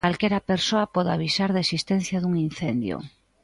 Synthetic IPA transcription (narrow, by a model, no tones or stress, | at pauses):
alkeɾapeɾsoapɔðaβ̞isaɾðesist̪ẽn̟θjaðuŋinθend̪jo̰